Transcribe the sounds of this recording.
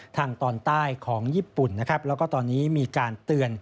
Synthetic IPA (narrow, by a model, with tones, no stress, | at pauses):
t̪ʰaː˧ŋt̪ɔː˧nt̪aː˥˩jkʰɔː˩˦ŋjiː˥˩pu˨˩nːa˦˥kʰɾa˦˥p̚lɛː˦˥wkɔː˥˩t̪ɔː˧nːiː˦˥miː˧kaː˧nt̪ɯ˧ən